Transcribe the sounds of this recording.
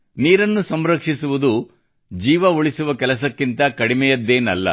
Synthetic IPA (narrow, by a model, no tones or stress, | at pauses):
niːɾɐnːusɐmɾɐkʂisuʋud̪u | d͡ʒiːʋɐuɭisuʋɐkɛlɐs̬ɐkːint̪ɐkɐɽimɛjɐd̪ːeːnɐlːɐ̰